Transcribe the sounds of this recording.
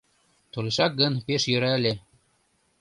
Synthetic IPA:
t̪oleʃɑk̚ɡɤ̆npeʃjø̆ɾælʲĕ

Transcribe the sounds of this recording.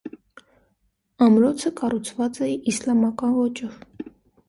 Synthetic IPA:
ɑmɾɔt͡sʰəkɑrut͡sʰvɑt͡sɛislɑmɑkɑnvɔt͡ʃɔv

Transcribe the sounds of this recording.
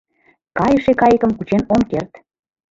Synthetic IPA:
kɑjəʃekɑjəkə̆mkut͡ɕenomkert̪

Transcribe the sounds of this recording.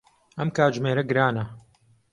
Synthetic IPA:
ʔɐmkaːʒmeːɾɐɡɨɾaːnɐ

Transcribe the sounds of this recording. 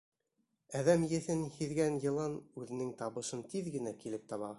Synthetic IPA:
æðæmjɘ̆θɘnhiðɡænjɤ̆lˠɑnʉðɘ̆nɘŋt̪ɑβɤ̆ʃɤnt̪iðɡɘ̆nækilɘp̚t̪ɑβɑ

